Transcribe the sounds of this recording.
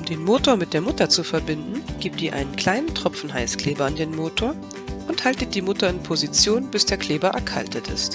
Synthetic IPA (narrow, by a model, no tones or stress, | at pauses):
ʔʊmdeːnmoːtoːɐmɪt̚d̥eːɐmʊtɐt͡sufɛɐbɪndn̩ɡ̥iːp̚td̥iːʔa̰ɪnənkl̥aɪnəntʁ̥ɔp͡fn̩ɦaɪskl̥ɛːbɐandeːnmoːtʰoːɐ | ʔʊnthaltət̚d̥iːmʊtɐɪnpʰozit͡sjoːnb̥ɪsd̥eːɐkʰl̥ɛːbɐʔɛ̰ɐkʰa̰ltətɪ̰st